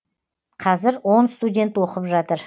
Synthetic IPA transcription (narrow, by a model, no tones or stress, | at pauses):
qʰɑzɪɾwo̞nst̪udʲe̞nt̪wo̞qəpʒɑt̪əɾ